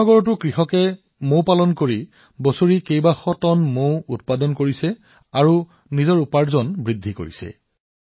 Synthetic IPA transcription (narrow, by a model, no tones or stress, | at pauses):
ɔɡɔɹɔt̬ʊkɹixɔkɛ | mowpalɔnkoɹi | bɔsoɹikejbaxɔtɔnmowut̚padɔnkoɹisɛ | aɹu | nizɔɹupaɹzɔnbɹidʱːiko̰ɹḭsɛ̰